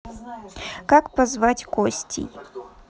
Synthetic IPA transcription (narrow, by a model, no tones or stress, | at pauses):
kakpɐzvat͡sʲkɔsʲtʲʰɪ̰j